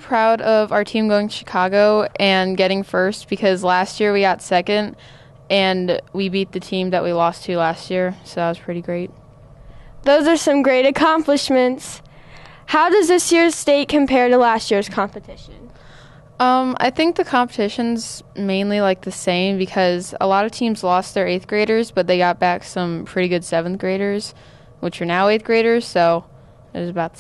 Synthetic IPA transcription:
pʰɹ̥aʊɾʌvaʊə˞tʰĩmɡoʊɪ̃ŋtʰɨ̥ʃɨ̥kʰɑɡoʊʔɨ̃nɡɛɾɪ̃ŋfɜ˞st̚b̥ɨkʰʌzlæst̚jɪɹwiɡɑtsɛkɨ̃nd | ɨ̃nwibit̪̚ðɨtʰĩmðɨʔ̚wilɔstʰɨlæst̚jɪɹsoʊðət̚wʌz̥pʰɹ̥ɪɾiɡɹeɪt̚ | ðoʊzə˞sʌ̃mɡɹeɪɾɨkʰɑ̃mplɨʃmɨ̃nts | haʊdʌzðɪsjɪɹz̥steɪt̚kʰɨ̃m̩pʰɛɹɾəlæstjɪɹz̥kʰɑ̃mpɨtʰɪʃɨ̃n | ʌ̃mʔa̰ɪθɪ̃ŋk̚ðɨkʰɑ̃mpətʰɪʃɨ̃nzmẽɪ̃nlilaɪk̚ðɨsẽɪ̃mbɨkʰʌzə̰lɑɾʌv̥tʰĩmzlɔst̪̚ðə˞eɪθɡ̥ɹeɪɾə˞zb̥ʌt̪̚ðeɪɡɑt̚b̥æksʌ̃mpʰɹ̥ɪɾiɡʊd̥sɛṽn̩θɡ̥ɹeɪɾə˞z̥ | wɨt͡ʃə˞naʊeɪθ̚ɡ̥ɹeɪɾə˞z̥soʊ | ɨzəbaʊt̪̚

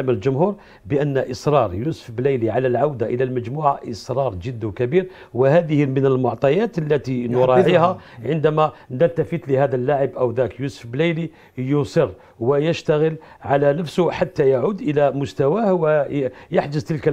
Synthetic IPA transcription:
məlʒʊmhuɾ | bəʔənːæʔəsˤɾˤɑɾˤjusə̥fblæjliʕalælʕawd̪aʔəlælmæd͡ʒmuʕaʔəsˤɾˤɑɾˤʒəd̪ːwkæbiɾ | wəhæd̪əhəmənəlmʊʕt̪ˤɑjæt̪əlːæt̪inʊɾˤɑʕihæʕənd̪æmænət̪ːæfət̪ləhæd̪ælːaʕəbʔəwd̪ækjusə̥fbləjli | jʊsˤər | wəjəʃt̪aɣəl | ʕalænəfsʊħat̪ːæjaʕud̪ʔəlæmʊst̪æwæhwjaħd͡ʒəzt̪əlkæ

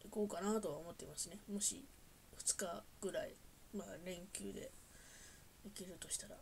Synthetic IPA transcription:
iko̞ːkanat̪o̞βaomo̞t̪ːeimasine̞mo̞ɕḭ | ɸɯ̟̥t͡sɨ̥kaɡ̥ɯ̟ɾaimaːɾẽ̞ŋkʲɨ̰ːd̪e̞̰ | ekʲiɾɯ̟t̪o̞ɕi̥t̪aɾa̰

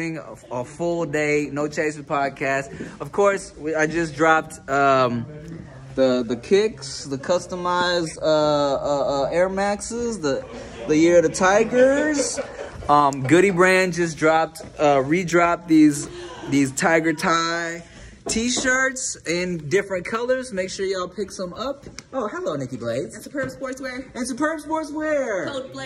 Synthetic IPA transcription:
ɪ̃ŋəfʊlˠdeɪnoʊt͡ʃʰeɪsɨv̥pʰɑd̚kʰæstʌv̥kʰɔɹs | wiaɪd͡ʒʌs̬dɹɑp̚ | ʌ̃m | ðəðɨkʰɪksðɨkʰʌstəmaɪzdʌʌʌɛɹmæksɪzðə | ðɨjɪɹʌðɨtʰaɪɡə˞z̥ | ʌ̃mɡʊɾibɹæ̃nd͡ʒʌs̬dɹɑp̚tʌɹidɹɑp̚ðizðiz̥tʰaɪɡə˞tʰaɪ | tʰiʃɑ˞tsɨ̃ndɪfɹɨ̃nkʰʌlˠə˞zmeɪkʃʊɹjaɪlˠpʰɪksʌ̃mʌp̚ʔoʊhəloʊnɪkibleɪ̥spʰɜ˞bswɔɹswɛɨ̃nsɨpʰɜ˞bswɔɹswɛɹ

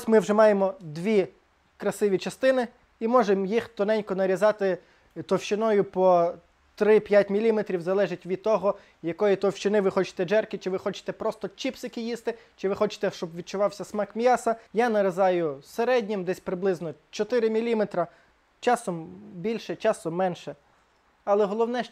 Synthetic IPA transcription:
sʲmɪwʒɛmɑjemɔd̪ʋʲi | kɾɐsɪʋʲit͡ʃɐst̪ɪnɪ | imɔʒemjixt̪ɔnɛnʲkɔnɐɾʲizɑt̪ɪ | t̪ɔwʃt͡ʃɪnɔjʊpɔ | t̪ɾɪpʲjatʲmʲilʲimet̪ɾʲiwzɐlˠɛʒɪtʲʋʲid̪̚t̪ːɔɦɔ | jɐkɔjit̪ɔwʃt͡ʃɪnɪʋɪxɔt͡ʃɪ̥t̪ɛd͡ʒɛrkɪt͡ʃɪʋɪxɔt͡ʃɪ̥t̪ɛpɾɔst̪ɔt͡ʃipsɪkɪjist̪ɪt͡ʃɪʋɪxɔt͡ʃɪ̥t̪ɛʃt͡ʃɔbʋʲid̪̚t͡ʃʊʋɑwsʲɐsmɑkmʲjɑsɐjanɐɾezɑjʊseɾɛdʲnʲimd̪ɛsʲpɾɪblˠɪznɔt͡ʃɔt̪ɪɾɪmʲilʲimet̪ɾɐ | t͡ʃɑsɔmbʲilʲʃɛt͡ʃɑsɔmːɛnʃɛ | ɐlˠɛɦɔlˠɔwnɛ

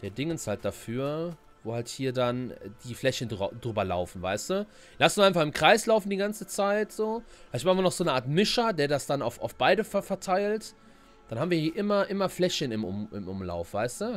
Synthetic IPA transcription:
d̥eːɐdɪŋənsthalt̚d̥afyːɐ | voːhalthiːɐdand̥iːflɛçəndʁa̰dʁyːbɐla̰ʊfn̩vaɪstu | lastnsaɪnfaχɪmkʁ̥aɪslaʊfn̩diːɡant͡sət͡saɪtz̥oːhaɪçmaːɪmɐnɔχz̥oːnəʔaːɐtmɪʃɐdeːɐdasd̥ana̰ʊfa̰ʊfb̥aɪdəfɛfɛɐtʰaɪlt | d̥anhaːbm̩viːɐhiːɐʔɪmɐʔɪmɐflɛçənɪmʔʊ̰mʔɪ̰mʔʊmla̰ʊfv̥aɪstu

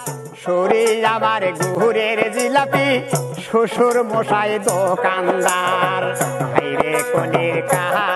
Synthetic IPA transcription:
ʃoɾid͡ʒabaɾɡuɦuɾeɾzilapiʃuʃuɾmoʃajd̪okand̪aɾhʰajɾekoniɾkaɦa

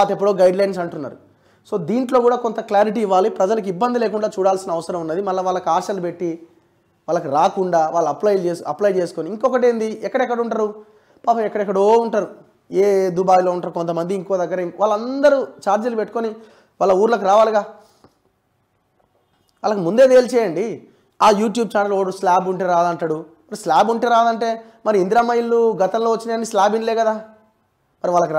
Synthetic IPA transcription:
at̪ep̬ːuɽoːɡɐjɖlɐjns̬ɐɳʈunːa̰ːɾu | so̞ːd̪iːɳʈlo̞ːkuːɽaːko̞nt̪ɐklaːɾiʈiːʋːaːlipɾɐd͡ʒɐlɐk̬ibːɐnd̪ileːk̬uɳɖaːt͡ʃuːɽaːlsinɐʋɐsɐɾɐmunːɐd̪imɐlːɐʋaːɭːɐkuaːʃɐlupe̞ʈːi | ʋaːlːɐkiɾaːkuɳɖaːʋaːɭːɐɐplɐjd͡ʒeːsɐplɐjt͡ʃeːsu̥koniiŋkɔkɐʈeːnd̪iɛkːɐɽɐɛkːɐɽuɳʈaːɾu | paːpɐmɛkːɐɽɐɛkːɐɽoːuɳʈaːɾu | eːd̪ubaːjlo̞ːuɳʈaːɾukont̪̬ɐmɐnd̪iːŋkoːd̪ɐɡːɐɾɐiʋaːlːɐnd̪ɐɾut͡ʃaːɾd͡ʒɐlupeʈːukoni | ʋaːɭːlːɐuːɾulɐk̬uɾaːʋaːliɡaː | ʋaːlːɐkimund̪eːd̪eːlt͡ʃɛːjɐɳɖi | aːjuːʈjuːb̚t͡ʃaːnɐloɽuslaːbuɳʈeːɾaːd̪ɐɳʈaːɽu | mɐɾislaːbuɳʈeːɾaːd̪ɐɳʈe̞ː | mɐɾiind̪ɾaːmɐjilːuɡɐt̪ɐmlo̞ːʋɐt͡ʃːinɐnːislaːbinleːkɐd̪aː | mɐɾiʋaːlːɐku

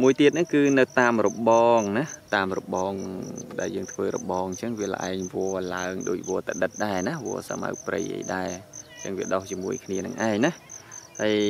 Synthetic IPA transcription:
muəjt̪iət̪̚nɨŋkɨːnɨwt̪aːmrɔɓɑːŋnaht̪aːmrɔɓɑːŋɗaɛljəːŋt̪ʰʋəːɾɔ̰ɓɑːŋɲt͡ɕəŋʋiələ̆ʔa̰ɛŋʋoəlaəŋɗoːc̚ʋɔət̪aɗɨt̪̚ɗaɛnahʋo̰əsa̰ma̰wk̚prə̰jʔə̰jɗaɛɲt͡ɕəŋʋiəɗoht͡ɕiəmuəjkʰniənɨŋʔaɛŋnahhəj

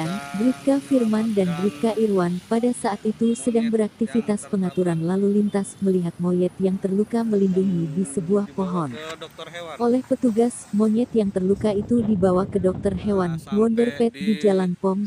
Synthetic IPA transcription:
nbɾikafirmandanbɾifkaʔirwanpadasaːt̪it̪usədaŋbəɾak̚t̪ifit̪aspəŋat̪uɾanlalulint̪asməliɦat̪̚mɔjɛt̪̚jaŋt̪ərlukaməlinduŋidisəbuahpoɦɔn | ʔolɛhpət̪uɡasmɔɲɛt̪jaŋt̪ərlukait̪udibawakədɔk̚t̪ərɦewanwɔndərpɛt̪̚did͡ʒalanpɔm

